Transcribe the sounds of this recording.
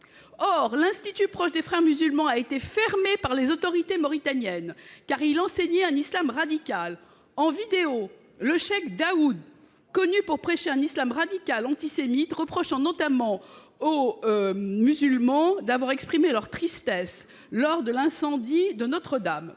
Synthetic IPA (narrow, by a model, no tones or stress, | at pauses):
ɔʁlɛ̃st̪it̪ypχɔʃd̪efχɛʁmyzylmɑ̃aet̪efɛʁmepaʁlezot̪ɔʁit̪emɔʁit̪anjɛnkaʁilɑ̃seɲɛɛ̃nislamʁad̪ikʲal | ɑ̃vid̪eo | ləʃɛkd̪aud̪ | kɔnypuʁpχeʃeɛ̃nislamʁad̪ikʲalɑ̃t̪isemit̪ʁəpχɔʃɑ̃nɔt̪amɑ̃ | o | myzylmɑ̃d̪avwaʁɛkspχimelœʁt̪χist̪ɛs | lɔʁd̪əlɛ̃sɑ̃d̪id̪ənɔt̪χəd̪am